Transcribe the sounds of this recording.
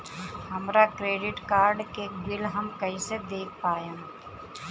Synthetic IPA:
həmɾakɾeːɖɪʈkaːɾɖkebɪlɦəmkəised̪eːk̚ʰpaːja

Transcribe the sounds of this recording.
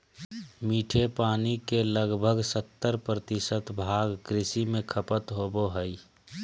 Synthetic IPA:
miːʈʰepaːnikeləɡbʱəɡsət̪ːəɾpɾət̪ɪsət̪bʱaːɡːɾɪsimẽkʰəpət̪ɦoboɦəi

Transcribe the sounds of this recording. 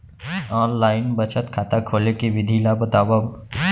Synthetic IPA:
ɔːnlaːɪnbət͡ʃət̪kʰaːt̪akʰoːlekeʋɪd̪ʱiːlabət̪aːwa

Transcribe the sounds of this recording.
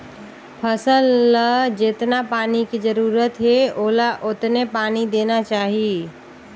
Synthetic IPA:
pʰəsəlːəd͡ʒɪt̪napaːnikizəɾuːɾət̪ɦɛoːlaʔʊt̪nepaːnid̪eːnat͡ʃaːɦiː

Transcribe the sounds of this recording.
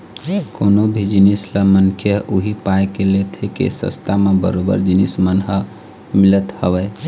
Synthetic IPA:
konobʱid͡ʒinisləmənkʰjəɦʔuɦipaekelet̪ʰekḛsə̰st̪ʰamebə̰ɾobə̰ɾd͡ʒinismənɦə | milət̪həʋəe

